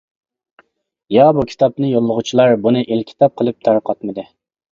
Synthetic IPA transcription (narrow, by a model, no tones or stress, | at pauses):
jɑbukʲʰi̥t̪ɑp̚nɨjolˠːəʁʊt͡ʃʰilˠɑɾbunɨʔilkʲʰi̥t̪ʰɑp̚qʰəlˠɨp̚t̪ʰɑɾqʰɑt̪mɨd̪ɨ